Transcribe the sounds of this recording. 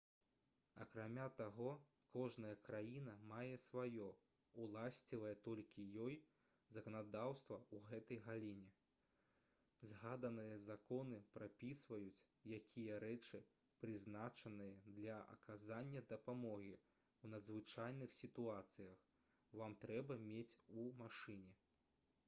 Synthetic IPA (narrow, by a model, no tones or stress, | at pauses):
ɐ̰kɾamʲat̪aɣɔ | kɔʐnɐjɐkɾajinɐmajɛsvajɔ | ulˠasʲt͡sʲivɐjɛt̪ɔlʲkʲijɔj | zɐkɐnad̪awst̪vɐuɣɛt̪ɐjɣalʲinʲɛ | zɣad̪ɐnɨjɐzakɔnɨpɾapʲisvɐjut͡sʲ | jakʲʰijɐɾɛt͡ʂɨ | pɾɨznat͡ʂɐnɨjɐd̪lʲɐɐ̰kʰazanʲːɐd̪ɐpamɔɣʲi | wnɐd̪zvɨt͡ʂajnɨxsʲit̪uat̪sɨjɐx | vamt̪ɾɛbɐmʲet͡sʲumaʂɨnʲɛ